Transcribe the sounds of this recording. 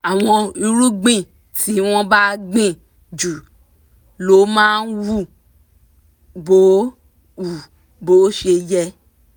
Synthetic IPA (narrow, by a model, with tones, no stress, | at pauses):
a˨w̃ɔ̃˧i˧ɾu˦ɡ͡bĩ˦ | ti˦w̃ɔ̃˦ba˦ɡ͡bĩ˦ | d͡ʒu˨ | lo˨˦mãː˦n̩˦wu˦ | bo˨˦ | u˨ | bo˨˦ʃe˧jɛ˧